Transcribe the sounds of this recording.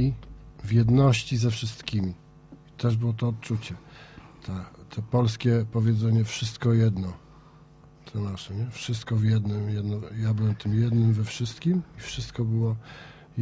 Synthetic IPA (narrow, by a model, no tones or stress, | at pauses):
ivjɛd̪nɔɕt͡ɕizɛfʂɘst̪kʲimʲi | t̪ɛʐbɘwɔt̪ɔːt̪̚t͡ʂut͡ɕɛt̪ʰat̪ʰɛpɔlskʲɛpɔvʲjɛd̪zɛɲɛfʂɘst̪kɔjɛd̪nɔ | t̪ʰɛnaʂɛɲɛfʂɘst̪kɔvʲjɛd̪nɘmjɛd̪nɔjabɘwɛmt̪ɘmjɛd̪nɘmvɛfʂɘst̪kʲimifʂɘst̪kɔbɘwɔ